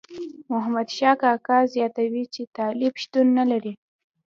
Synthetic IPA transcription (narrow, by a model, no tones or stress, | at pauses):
mʊɦamad̪ʃɑkɑkɑzjɑt̪awit͡ʃet̪ɑlibʃt̪unːalaɾi